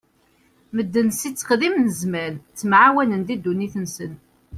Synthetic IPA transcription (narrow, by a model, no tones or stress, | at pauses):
məd̪ːənsit͡sːə̥qðimnəzmænt͡sːəmʕawænənd̪id̪ːuniθənsən